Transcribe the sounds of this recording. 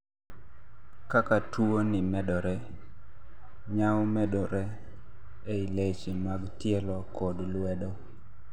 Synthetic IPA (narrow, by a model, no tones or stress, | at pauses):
kakatuonɪmɛdɔɾɛ | ɲawmɛdɔɾɛ | eilet͡ʃimaɡtɪɛlɔkʰɔdlwɛdɔ